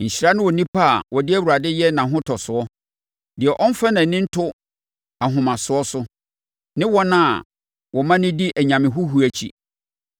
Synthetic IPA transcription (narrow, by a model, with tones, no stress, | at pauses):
ɲ̩˨ɕi˦ɾa˦nʊ̃˦wɔ˨nĩ˦pʰa˦a˨wɔ˨dɪ˦æ˦wu˨ɾa˨dɪ˦jɛ˦nã˨ɦʊ̃˦tʰɔ˨sʊ˨ɔ˦ | dɪ˨ɛ˨ʔɔ̃˦n˦fa˦nã˨nɪ̃˦n̩˦tʰʊ˦ | a˨ɦʊ̃˨mã˨sʊ˨ɔ˦sʊ˦ | nɪ̃˦wɔ˦nã˦˨ | wɔ˨mã˦nɪ̃˦di˦ʔæ˨ɲã˨mɪ̃˨ɦʊ˦ɦu˨æ˨t͡ɕʰḭ˦